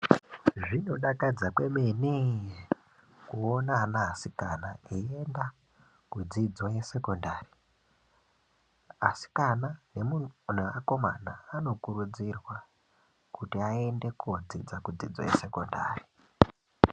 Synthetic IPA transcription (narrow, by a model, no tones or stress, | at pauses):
ʐino̞ɗakad͡zakwe̞meni | kuonaːnaɦasikanaeienda | kud͡zid͡zoje̞se̞kondaːri | asi̥kananemun̤eako̞ma̰naːno̞kuɾud͡zirwa | kutiaende̞kuod͡zid͡zakud͡zḭd͡zo̰jese̞ko̞nda̰ːri